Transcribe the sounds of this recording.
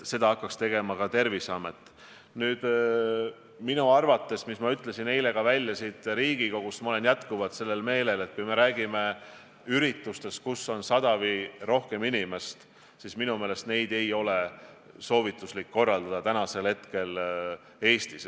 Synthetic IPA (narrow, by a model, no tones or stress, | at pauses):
se̞d̪ɑɑkːˑɑkst̪e̞ɡ̥e̞mɑkɑt̪e̞rvisɑmet̪ːˑ | nyːd̪̥ | minuɑrvɑt̪ːˑe̞smismɑyt̪ːˑle̞sine̞jle̞ɡ̥ɑvælʲːjɑsiːt̪ˑɾiːɡ̥ikɑkust̪mɑo̞le̞njæt̪kuvɑt̪se̞lːe̞lme̞ːle̞le̞t̪̚kujme̞ɾæːɡ̥ime̞ | yɾit̪ːˑust̪e̞st̪̚kusːo̞nsɑd̪̥ɑviro̞hke̞minime̞st̪ | sisminume̞ːle̞st̪ne̞jd̪̥e̞jo̞le̞ | so̞ːvit̪ːˑuslikːo̞rːɑld̪ɑd̪ɑt̪ænɑse̞lhe̞t̪ke̞l | e̞ːst̪is